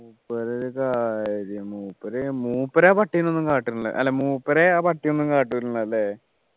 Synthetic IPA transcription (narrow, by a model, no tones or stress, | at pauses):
muːpːɐɾelɨkaːɾijɐmuːpːɐɾemuːpːɐɾeaːpɐʈːijnːonːumkaːʈːiuɳɭːɐ̰ʔɐ̰lːeːmuːpːɐɾeaːpɐʈːijonːuŋkaːʈ̬ːiɳɐɐlːe